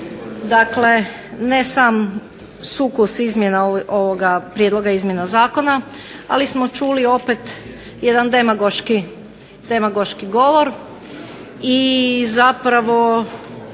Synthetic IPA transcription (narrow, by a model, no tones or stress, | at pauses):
d̪akle̞ | nesam | sukusizmje̞naʔoʋoɡapɾjed̪lˠo̞ɡaizmʲjenazaːko̞naa̰lismo̞t͡ʃulio̞pet̪ | je̞d̪and̪e̞maɡoʃki | d̪e̞maɡoʃkiɡo̞ʋo̞ɾ | izapɾaʋo̞